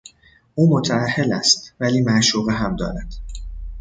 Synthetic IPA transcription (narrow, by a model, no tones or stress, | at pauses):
ʔuːmo̞t̪ʰææhːelæ̰st̪væliːmæʔʃuːɣeɦæmd̪ɒ̰ːɾæd̪̥